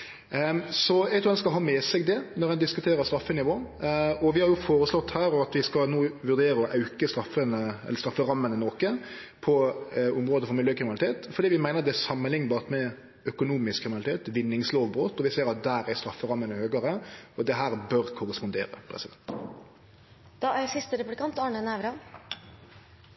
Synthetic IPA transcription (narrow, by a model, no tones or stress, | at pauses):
sɔjɛɡt̪ʰʊːhɛnskɑlɦɑːmɛsɛɡd̪ɛnɔʁhɛnd̪ɪskʉt̪ʰeːɾəɾst̪ɾɑfːənɪʋoːɔʋɪhɑɾjʊfoːɾəslɔt̪ːhæːɾɔɑt̪ʋɪskɑlnoːʋʉʁd̪eːɾəɔʔɑʉkəst̪ɾɑfənəɛ̰lːəst̪ɾɑfːəʁɑmːənənoːkə | pʰɔʊmɾoːd̪əfɔɾmɪljøːkɾɪmɪnɑlt̪eːt̪fɔɾd̪iːʋɪmæɪnəɾd̪ɛæsɑmːənlɪŋnbɑːʁt̪mɛ | œkʊnuːmɪskʰːɾɪmɪnlɪt̪ʰeːt̪ʋɪnːɪŋsloːʋbɾoːt̪ɔʋɪseːɾɑt̪̚d̪æːɾæɾst̪ɾɑfːəɾɑmːənəhøːɡəɾəɔd̪ɛɦæːɾbœɾkʰʊɾəspʊnd̪ḛːɾə̰pʰɾɛ̰sɪd̪ɛnt̪ | d̪̥ɑːæsɪst̪əɾɛpʉb̪ɪkɑnt̪ɑːɳənæʋɾɑ